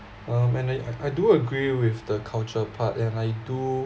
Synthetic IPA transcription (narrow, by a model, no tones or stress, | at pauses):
ãmɛ̃najaʔajduəɡɹiwɪfdəkʰalt͡ʃəpʰatɛ̃najdu